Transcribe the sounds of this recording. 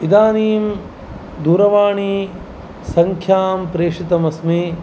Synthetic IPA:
id̪aːniːm | d̪uːɾɐʋaːɳiː | sɐŋkʰjaːmpɾeːʂit̪ɐmɐsmeː

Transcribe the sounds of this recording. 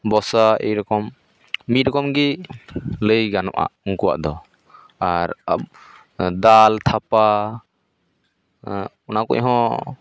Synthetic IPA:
bɔsaejɾɔkɔmː | it̪̚ˀɾɔkɔmɡɛ | ləjɡanɔ̰ʔa̰ʔuŋkuwa̰ʔd̪ɔ | aɾa̰b̚ | d̪alt̪ʰapa | ɔnakɔ̰ɲʔɦɔ̃

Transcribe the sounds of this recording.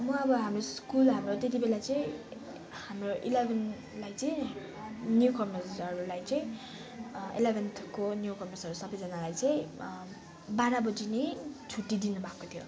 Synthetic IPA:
mʌʌbʌɦamroskulɦamrot̪et̪̬ibelat͡sʌĩ | hamroʔilebʱʌn | lajt͡sʌĩ | njukʌmʌrsʌɾulajt͡sʌĩ | ḭlebʱʌnt̪ʰkonjukʌmʌrsʌɾusʌbʌjd͡zʌnalajt͡sʌĩ | baɾabʌd͡zinet͡sʰuʈːid̪inubʱakot̪ʰjo̰

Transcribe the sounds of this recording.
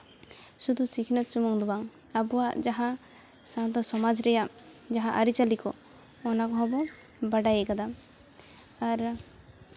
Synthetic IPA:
sud̪ʱusikʰinat̪t͡ʃumɔŋd̪ubaŋ | abɔaʔd͡ʒaɦã | sant̪ɔsɔmad͡ʒɾɛja | d͡ʒaɦãʔaɾit͡ʃalikɔ | ɔnakɔɦɔ̃bɔ | baɖajɛɡad̪a | aɾ

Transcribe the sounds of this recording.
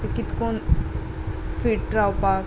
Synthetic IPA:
t̪ekit̪kon | fiʈʈɾawpa

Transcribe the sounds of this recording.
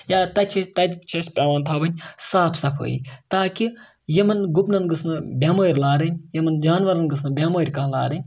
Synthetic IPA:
jaːt̪ɐt͡ʃʰit̪ɐt̪t͡ʃʰɐspʲaːʋaːnt̪ʰaːbɐnʲsaːpʰsɐpʰo̰ːjḭːt̪aːki | jimɐnɡupnɐnɡɨsnɨbʲjaːmoːɾʲlaːɾɐnʲjɐmɐnd͡ʒaːnʋɐɾɐnɡɨsnɨbʲjaːmɐːɾʲkɐɦla̰ːɾɐnʲ

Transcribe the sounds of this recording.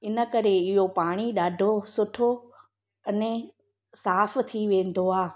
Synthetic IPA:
ɪnə̆kɐɾeɪɦopaːɽ̃iɗaːɖʱosʊʈʰo | ɐnẽ | saːft̪ʰiʋẽːn̆d̪oaː

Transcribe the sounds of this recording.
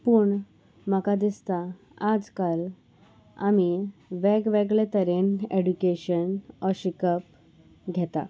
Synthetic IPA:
puɳ | məkad̪ist̪a | ad͡zkal | a̰miʋɛɡʋɛɡɭet̪əɾeneɖukeɕənɔɕikəp̚ | ɡʱɛt̪a̰

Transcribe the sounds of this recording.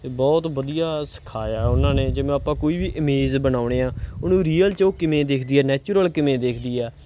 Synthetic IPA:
t̪eːbɔːt̪ʋəd̪ijaːsə̥kʰaːjaːɛʊnãːneːd͡ʒɪʋẽaːpãːkoːiːʋiːʔɪmeːzbənaːʊɽeːãːʊnũːɾiːəlt͡ʃoːkɪmẽːd̪eːkʰd̪iːɛːnɛːt͡ʃuɾəlkɪmẽːd̪eːkʰd̪iːɛː

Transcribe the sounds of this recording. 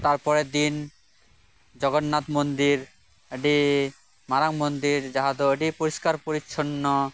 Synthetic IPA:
t̪aɾpɔɾed̪in | d͡ʑɔɡonːat̪mond̪iɾ | eɖi | maɾaŋmond̪iɾd͡ʑaɦad̪oeɖipoɾiʃkaɾpoɾitːʃʰonːo

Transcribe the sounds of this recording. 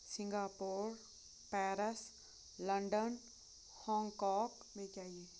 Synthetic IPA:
sɪ̃ŋɡaːpoːɾ | pɛːɾəs | lə̃ɳɖən | hɔ̃ːŋɡkɔːk | mẽt͡ʃaːieː

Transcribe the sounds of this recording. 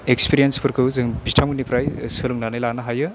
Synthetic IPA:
ekspiɾienspʰɯɾkʰɯwzɯŋbistʰamɯnipɾajsɯlɯŋnanɯjlanɐɦajɯ

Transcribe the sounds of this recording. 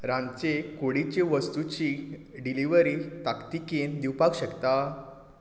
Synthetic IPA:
ɾãnt͡ɕekoɽit͡ɕeʋəst̪ut͡ɕiɖiliʋəɾit̪akt̪ikend̪iwpakɕəkt̪a

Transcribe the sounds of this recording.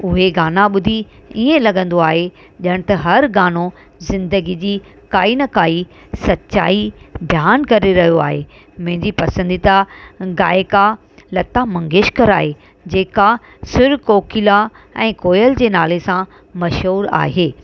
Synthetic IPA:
ʊɦeɡaːnaɓʊd̪ʱi | iːẽlɐɠə̃nd̪oaːɦe | ʄəɽ̃̆t̪ɐɦɐɾɡaːno | zɪ̃nd̪əɡid͡ʑiː | kaːinɐkaːi | sɐtːɕa̰ːibʱjaːnkɐɾeɾɐɦijoaːɦe | m̃ɦɪ̃ɲd͡ʑipɐsə̃nd̪it̪aɡaːɪka | lɐt̪amɐ̃ŋɡeːʃkəɾaːɦe | d͡ʑeːka | sɪɾkoːkɪla | ɛ̃ːkoːjəld͡ʑeːnaːlesã | mɐʃɦuːɾa̰ːɦeː

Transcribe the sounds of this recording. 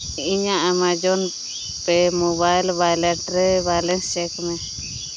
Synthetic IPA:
iɲaʔamad͡ʒɔn | pɛmobajlbajlɛʈɾɛbajlɛnst͡ʃɛkmɛ

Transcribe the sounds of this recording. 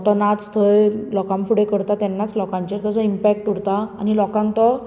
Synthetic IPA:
t̪ɔnat͡st̪ʰəjlɔkãmfuɽekəɽt̪at̪ɛnːat͡slɔkãɲt͡ɕet̪ɔd͡zɔimpɛk̚ʈuɽt̪a̰ːnilɔkãŋkt̪ɔ

